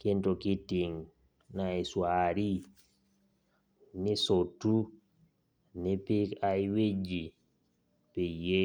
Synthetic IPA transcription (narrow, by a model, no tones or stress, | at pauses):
kɛntɔkitːiŋ | naiswaːɾi | nisotːu | nipiajwed͡ʒi | pɛje